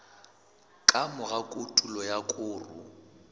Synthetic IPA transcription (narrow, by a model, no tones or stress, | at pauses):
kʼamʊɣakʼʊtʼulɔjakʼʊːrʊ̰